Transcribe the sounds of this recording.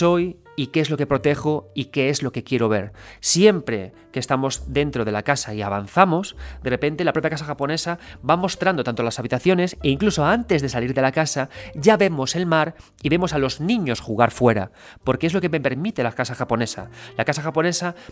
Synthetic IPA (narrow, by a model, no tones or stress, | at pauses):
so̞j | ikeezloke̞pɾo̞t̪e̞xoike̞ezlo̞ke̞kje̞ɾo̞β̞e̞̰ɾsje̞mpɾe̞ | keːst̪amo̞zðe̞nt̪ɾo̞ð̞elakasaia̰βanθamo̞sd̪erepe̞nt̪elapɾo̞pjakas̬axapo̞ne̞sabamo̞st̪ɾand̪oant̪olasaβit̪aθjo̞ne̞seiŋklusoant̪e̞zðe̞saliɾðe̞lakasaʝaβe̞mo̞se̞lmaɾ | iβe̞mo̞salo̞znĩɲo̞sxuɣ̞aɾfwe̞ɾa̰ | po̞ɾkee̞zlo̞keme̞pe̞ɾmit̪e̞lakasaxapo̞ne̞sa̰lakasaxapo̞nesa